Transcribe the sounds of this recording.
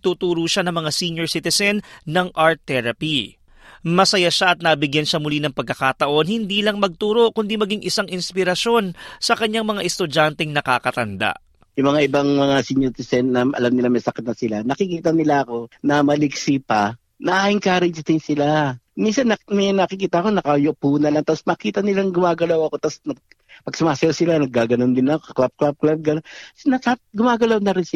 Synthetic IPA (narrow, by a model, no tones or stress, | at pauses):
t̪uːt̪uːɾuːʃanɐŋmɐŋasiɲjoɹsɪt̪ɪsɛnːɐŋʔaɹt̪ːɛɾɐpi | mɐsɐjaʃaʔɐt̪̚nɐbɪɡjɐnʃamʊlinɐŋpɐɡ̚kːɐkaːt̪ɐʔo̞nhɪnd̪iːlɐŋmɐɡ̚t̪uːɾo̞ʔkʊnd̪imɐɡiŋʔɪsaŋʔɪnspɪɾɐʃo̞nsɐkɐɲːaŋmɐŋaʔɛst̪ʊd͡ʒant̪ɛŋnɐkaːkɐt̪ɐnd̪a̰ʔ | jʊŋmɐŋaʔɪbaŋmɐŋasiːɲot̪ɪsɛnːɐʔɐ̰lamnɪlamɐjsɐkɪt̪̚nɐsɪlanɐkɪkiːt̪ɐnɪlaʔɐko̞nɐmɐlɪɡsipɐ | nɐʔaʔɪŋkaːɾɪd͡ʒt̪ɪnsɪla | minsɐnɐmɐnɐkɪkiːt̪ɐʔɐko̞nɐkɐjʊpuːnɐlɐŋt̪asmɐkiːt̪ɐnɪlaŋɡʊmaːɡɐlawɐko̞t̪asnɐɡ̚ | pɐɡsʊmaːsɐjasɪlanɐɡ̚ːaːɡɐnond̪ɪnɐkokɐklap̚klap̚klab̚ɡɐnnɐkaɡʊmaːɡɐlawnɐɾɪnsɪ